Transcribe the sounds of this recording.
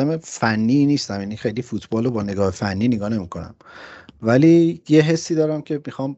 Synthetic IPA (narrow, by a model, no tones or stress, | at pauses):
æmefænːiːniːst̪æmjanixejlifuːt̪ʰbɒːlobɒːne̞ɡɒːhefænːiːneɡɒːne̞mikʰo̞næ̰mvæliːjeɦe̞sːiːd̪ɒːɾæmcʰe̞mixɒːm